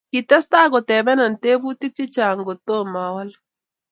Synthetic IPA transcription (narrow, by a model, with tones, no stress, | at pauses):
ki˨tɛ˦sta˦ɡɔ˨tɛ˨bɛ˦na˨nte˦bu˦ti˦k̚t͡ʃi˦t͡ʃa˨ŋɡo˨to˦ma˨wa˦l